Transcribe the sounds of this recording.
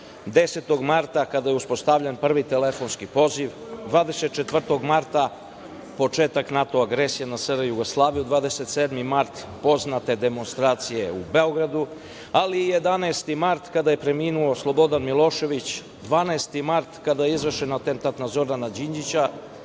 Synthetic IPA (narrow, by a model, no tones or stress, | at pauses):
d̪eset̪o̞ɡmaɾt̪akad̪ajeuspo̞st̪aʋʎenpr̩ʋit̪elefo̞nskipo̞ziʋ | d̪ʋaːd̪ese̞t̪̚t͡ʃet̪ʋvr̩t̪o̞ɡmaɾt̪a | po̞t͡ʃeːt̪aknat̪oaɡɾesijenasəɾjuɡoslˠaːʋijud̪ʋaːd̪eset̪seːd̪mimaɾt̪ | po̞znat̪e̞d̪e̞mo̞nst̪ɾaːt̪sije̞ṵbeo̞ɡɾad̪u | aliːje̞d̪anaest̪imaɾt̪kad̪aje̞pɾe̞miːnuo̞slˠo̞bo̞d̪anmilo̞ʃe̞ʋit͡ɕ | d̪ʋaːnaest̪imaɾt̪kad̪ajeizʋr̩ʃenat̪ent̪at̪nazoːɾanad͡ʑiɲd͡ʑit͡ɕa